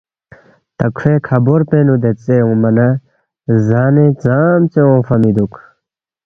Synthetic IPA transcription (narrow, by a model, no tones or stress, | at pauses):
t̪ɐkʰfeːkʰɐboɾpeːnud̪et͡seũmɐnɐ | zaːnet͡saːmt͡seõːfɐmid̪uk